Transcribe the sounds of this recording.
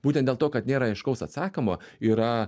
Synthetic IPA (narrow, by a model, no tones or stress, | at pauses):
b̥uːt̪ʲɛnt̪dʲeːlˠt̪oːkɐt̪nʲeːɾɐɪʃkɐʊsɐt̪sɑːkʲomoːiːɾɐ